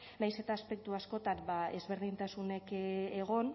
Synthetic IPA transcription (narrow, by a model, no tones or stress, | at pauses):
najse̞t̪aːspe̞k̚t̪uasko̞t̪ambae̞̰zβe̞ɾð̞int̪asune̞keɣo̞n